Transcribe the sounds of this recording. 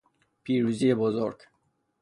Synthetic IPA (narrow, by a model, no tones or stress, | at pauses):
pʰiɾuzijebɔzoɾɡ